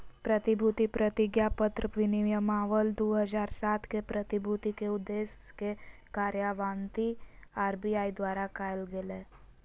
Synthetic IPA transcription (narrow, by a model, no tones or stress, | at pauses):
pɾət̪ɪbʱut̪ipɾət̪ɪɡjapət̪ɾəʋɪniʋjəmaːʋəld̪oːɦəd͡ʒaːɾsaːt̪ʰkepɾət̪ibʱuːt̪ikeʊd̪ːeːs | kekaːɾjaʋãːnt̪iaːɾbiaːid̪waːɾakaːjlɡele